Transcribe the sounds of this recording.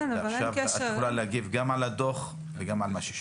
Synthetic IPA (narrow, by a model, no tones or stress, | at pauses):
navalʃavʃaulaleaɡivɡamalad̪oχ | veɡamalmaʃe̥